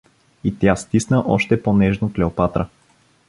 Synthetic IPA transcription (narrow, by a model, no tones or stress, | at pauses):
it̪jast̪isnəʔɔʃt̪ɛponɛʒnoklɛopat̪ɾə